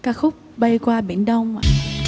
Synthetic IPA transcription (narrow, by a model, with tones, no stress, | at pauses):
kaː˦˥xʊ˦˥k͡p̚ɓə˧jkwaː˧ɓḭ˧˩ənɗə˧wŋ͡mma̰ː˨